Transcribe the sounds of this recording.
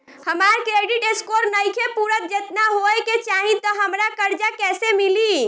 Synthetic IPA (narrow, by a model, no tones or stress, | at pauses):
həmaɾkɾeɖiʈeskoɾnəjkʰepuɾət̪̚d͡ʒet̪naɦoeket͡ʃaɦĩt̪ɔɦəmɾakəɾd͡ʒakɛsemili